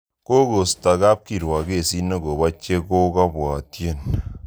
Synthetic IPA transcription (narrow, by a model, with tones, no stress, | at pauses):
ko˦ko˨sta˨ka˦p̚ki˨ɾwa˨ke˦˨si˦no˦ko˨ba˦t͡ʃe˦ko˦ka˦bwɔ˨tje˦˨n